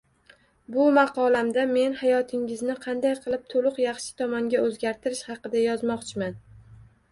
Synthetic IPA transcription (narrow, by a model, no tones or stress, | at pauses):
bʊmɑqʰɒlamd̪ame̞nhajɒt̪ʰɪŋɪznɪqʰɑnd̪ajqʰɨlˠɪp̚t̪ʰolˠʊqjɑχʃɪ̥t̪ʰɒmaŋɡʲaɵzɡʲaɾt̪ʰɪɾɪʃhɑqɨd̪ajɒzmɒqt͡ʃʰɪman